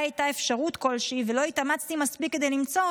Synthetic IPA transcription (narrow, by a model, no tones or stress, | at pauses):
ajt̪aefʃaʁut̪ko̞lʃivelo̞it̪amat͡st̪imaspikːe̞d̪e̞jlimt͡so̞